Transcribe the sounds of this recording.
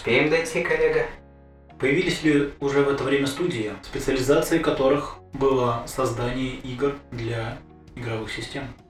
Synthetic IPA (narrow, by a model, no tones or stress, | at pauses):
spʲejɪmd̪ɐjtʲikɐlʲeɡə | pəjɪvʲilʲɪsʲlʲɪʊʐɛvɛt̪əvɾʲemʲəst̪udʲɪɪspʲɪt̪sɨəlʲɪzat̪sɨɪkɐt̪o̞ɾɨxbɨlˠəsɐzd̪anʲɪjəʔiɡrd̪lʲa | ɪɡɾɐvɨxsʲɪsʲtʲe̞m